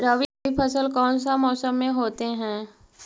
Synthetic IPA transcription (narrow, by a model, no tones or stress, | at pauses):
ɾəʋiipʰəsəlkɔːnsamɔːsəmːẽɦoːt̪eɦɛ̃ː